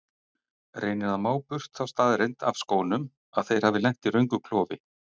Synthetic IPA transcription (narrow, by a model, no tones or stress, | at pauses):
rʔeːjnɪðamaːwpʏr̥t̪θawst̪aːðɾejnt̪avskoːwnʏm | aðθej̥haːvɪlɛŋ̥t̪iɾœɥŋkʏkʰlɔːvɪ̰